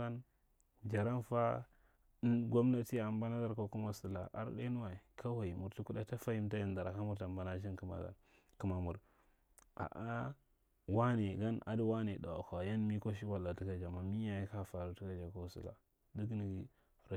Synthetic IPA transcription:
a˦n | d͡ʒa˨ɾa˦nfa˦ | ɡʷo˦mna˦ti˦˨a˨mba˦na˦da˦ɾko˦ku˦ma˦su˨la˨ʔa̰˦ɾɗḛ˦nu˦wa˨ka˦wa˨i˨mu˨ɾti˦ku˦da˦ta˦fa˦ji˦mta˦ja˦nda˨ɾa˨ka˦mu˦ɾta˨mba˨na˦ʃ̬i˦nki˨ma̰˨da̰˨ɾ | ki˨ma˨mu˨ɾ | a̰˨ʔa˦ | wa˦ni˨ɡa˦nʔa̰˨dwa˦ni˨da˨a̰˨ka˨ja˦nmi˦ko˦ʃ̬i˦wa˨lːa˨ti˦ka˦d͡ʒa˨ma˨mi˦ja˨ji˦ka˦˨fa˨ɾu˨ti˦ka˦d͡ʒa˨ko˦˨sṵ˨la̰˨ | di˦ɡni˨ɡi˨ | ɾa˨

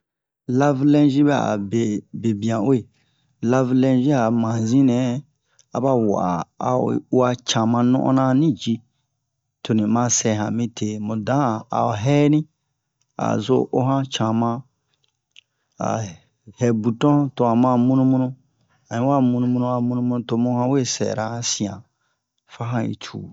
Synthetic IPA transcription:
la˦vlɛ̃˦nʒi˦bɛ˦a̰˨be˨be˨bĩ˨ã˨we˦˨ | la˦vlɛ̃˧ʒi˦a˨mã˨zĩ˦nɛ̃˨˦ | a˨ba˦wa̰˨a˨u˦a˦t͡ʃã˨mã˧nṵ̃˦ʔɔ̰̃˦nã˦nĩ˦d͡ʒi˧ | tʰo˨nĩ˨mã˦sɛ˧ɦã̰˨mĩ˦tʰe˨mũ˨dã˨˦˨a̰˨ɦɛ˦nĩ˦ | a̰˨zo˦ʔo˦ɦã˦t͡ʃã˨mã˧ | a̰˨ | hɛ˨bu˨tɔ̃˦to˨a˨mã˦˨mũ˦nũ˦mũ˦nũ˦ | a˨nĩ˨˦wa˦mũ˧nũ˧mũ˧nũ˧a˨mũ˦nũ˦mũ˦nũ˦to˨mũ˦hã˦we˦˨sɛ̰˨ɾa˨˦sĩ˨ã̰˨ | fa˦ɦã˦ḭ˨t͡ʃʰṵː˨

